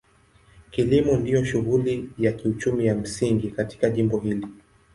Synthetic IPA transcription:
kilimundijɔʃuɣulijakiut͡ʃumijam̩siŋɡikati̥kaʄimbɔɦili

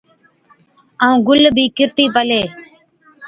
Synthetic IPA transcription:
əũːɡʊlbʱiːkɪɾt̪iːpəleː

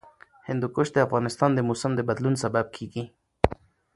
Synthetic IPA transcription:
hɪnd̪ukʊʃd̪eafɣɑnɪst̪ɑːnd̪emosəmd̪ebad̪lunsabab̚kʰiɡi

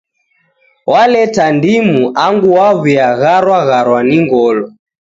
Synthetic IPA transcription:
walɛtandimuʔaŋɡuwaβiaɣaɾwaɣaɾwaniŋɡɔlɔ

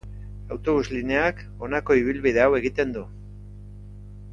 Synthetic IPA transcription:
awt̪o̞βuzline̞ak | o̞nako̞iβ̞ilβið̞e̞awe̞ɣit̪e̞nd̪u

